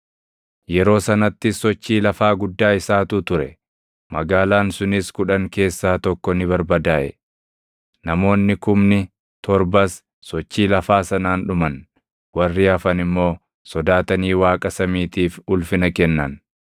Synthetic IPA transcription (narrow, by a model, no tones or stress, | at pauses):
jɛɾo̞ːsɐnɐt̪ːɪsːɔt͡ʃːiːlɐfaːɡʊd̪ːaːɪsaːt̪ʊt̪ʊɾɛ | mɐɡaːlaːnsʊnɪskʊᶑɐŋke̞ːsːaːt̪ɔkːɔnɪbɐɾbɐd̪aːʔɛ̰ | nɐmo̞ːnːɪkʊmnɪ | t̪ɔɾbɐs | sɔt͡ʃːiːlɐfaːsɐnaːnᶑʊmɐn | wɐrːɪɐfɐnɪmːo̞ː | sɔd̪aːt̪ɐniːwaːkʼɐsɐmiːt̪iːfʊlfɪnɐkɛnːɐn